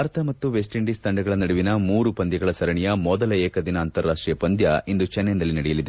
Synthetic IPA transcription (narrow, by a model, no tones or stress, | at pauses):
ɾɐt̪ʰɐmɐt̪ːuʋes̬ʈiɳɖist̪ɐɳɖɐɡɐɭɐnɐɽuʋinɐmuːɾupɐnd̪jɐɡɐɭɐsɐɾɐɳijɐmɔd̪ɐlɐɛːkɐd̪inɐːnt̪ɐɾːaːʂʈɾijɐpɐnd̪jɐʔind̪ut͡ʃɛnːjɐnd̪ɐlːinɐɽɛjɐlid̪e